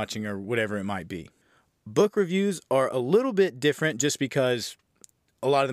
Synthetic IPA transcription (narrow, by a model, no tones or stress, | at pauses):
ɑt͡ʃɪ̃ŋə˞wʌɾɛvə˞ɨt̚maɪt̚b̥ḭ | bʊkɹɨvjʉzə˞ʔəlɪɾl̩ˠbɪt̚d̥ɪfɹɨ̃nd̥ʒ̥ʌsb̥ɨkʰʌz̥ | əlɔɾʌvð